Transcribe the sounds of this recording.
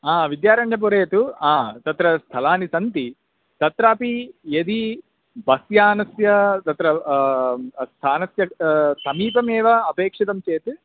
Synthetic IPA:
aːʋid̪jaːɾɐɳɖɐp̬uɾeːt̪uaːt̪ɐt̪ɾɐst̪ʰɐlaːnisɐnt̪i | t̪ɐt̪ɾaːpied̪i | bʱɐsjaːnɐsjɐt̪ɐt̪ɾɐ | st̪ʰaːnɐsjɐsɐmiːpɐmɛːʋaɐpeːkʂit̪ɐmt͡ʃeːt̪u

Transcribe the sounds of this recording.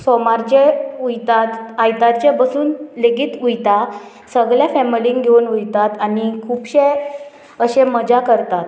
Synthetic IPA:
sɔmaɾd͡ʑeujt̪at̪ajt̪aɾt͡ɕebəsuːnleɡiːt̪ujt̪a | səɡɭjafɛmilĩŋɡɡʱeunujt̪at̪anikʰuːpɕe | əɕeməd͡ʑakəɾt̪at̪

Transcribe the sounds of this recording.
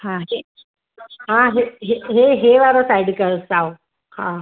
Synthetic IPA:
hãɦe | ɦãɦeɦeɦeɦeʋaɾosajɖkəsaw | hã

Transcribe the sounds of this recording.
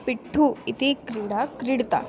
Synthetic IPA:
piʈʰːuit̪ikɾiɽakɾiɽt̪a̰

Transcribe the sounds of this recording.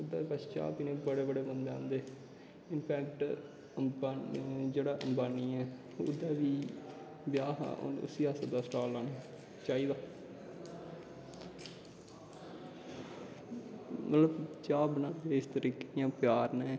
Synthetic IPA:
ʊd̪ːaːkət͡ʃʰt͡ʃa̰ːpinẽːbəɽeːbəɽeːmənbãːnd̪eː | ɪnpʰɛːkʈː | d͡ʒeːɽaːʔəmbaːniːɛː | ʊd̪aːʋiː | bjaːɦa̰ːʔo̰ːnʊ̰siːaːsəd̪aːsʈaːlːaːna | t͡ʃaːiːd̪aː | mət̪ləbt͡ʃaːbnãːd̪eɪst̪əɾiːkejãːpɪjaːɾneː

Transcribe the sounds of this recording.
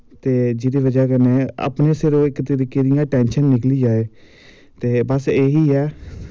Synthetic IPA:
t̪eːd͡ʒɪd̪eːʋəd͡ʒaːkəneːa̰ːpneːsɪɾoɪkt̪əɾiːkeːd̪ɪjãːʈɛːnʃənːɪkliːd͡ʒaːeː | t̪eːbəseːɦiːɛː

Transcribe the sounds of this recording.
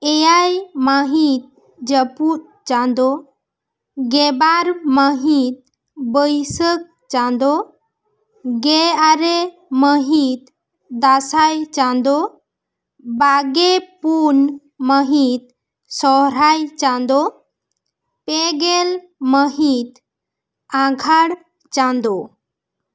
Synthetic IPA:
ɛjajmaɦit̪̚ | d͡ʒəput̚ | t͡ʃãnd̪o | ɡɛbaɾməɦit̪̚ | bəjsək̚ | t͡ʃãnd̪o | ɡeaɾe | məɦit̪̚ | d̪asajt͡ɕãnd̪o | baɡepun | məɦit̪̚ | sɔɾajt͡ɕãnd̪o | peɡel | məɦit̪ | ãɡʱaɽ | t͡ɕãnd̪o

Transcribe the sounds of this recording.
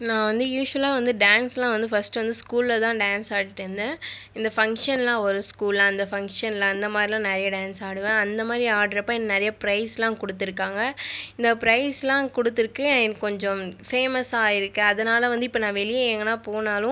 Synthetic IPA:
nãːʋɐnd̪ɯjuːʂʋɐlaːʋɐnd̪ɯɖaːnslãːʋɐnd̪ɯfɐsʈɯʋɐnd̪ɯskuːlːɐt̪ãːɖaːnsaːʈɯʈːɯɾnd̪ɯ | ɪnd̪ɐfɐŋkʂɐnlãːɔɾɯskuːllãːɪnd̪ɐfɐŋkʂɐnlãːɪnd̪ɐmaːd̪ɾilãːnɛɾɐjɐɖaːnsaːɽɯʋẽːɐnd̪ɐmaːd̪ɾiaːɽɾɐpːaːɪnːɐnɛɾɐjɐpɪɾɐɪslãːkɔɽɯt̪ːɪɾɯkːaːŋɡɐɪɪnd̪ɐpɪɾɐɪslãːkɔɽɯt̪ːɪɾɯkːɯnkɔɲd͡ʒɔ̃feːmɐsaːɪɾɯkːɯ̃ɐðɐnaːlɐʋɐnd̪ɯɪpːɐnãːʋɛɭɪjeeːŋɡɐnːaːpoːnaːlʊ̃

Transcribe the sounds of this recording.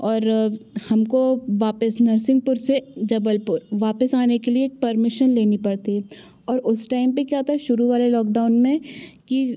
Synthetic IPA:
ɔːɾhɐmkoʋaːpəsnɐɾsɪ̃ŋɡ̚pʊɾsed͡ʒɐbəlpʊɾʋaːpəsaːnekelieːk̚pɐɾmɪʃənleːnipɐɽt̪iɦɛ | ɔːɾʊsʈaːɪmpekjaːt̪ʰaʃʊɾuʋaːlelɔːk̚ɖaːʊnmẽki

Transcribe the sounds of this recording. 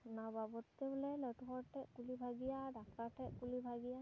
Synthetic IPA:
nababɔtt̪eblɛlɔtuɦɔɹtɛkulibʱaɡijadʱak̚taɹʈʰɛʔkulibʱaɡija

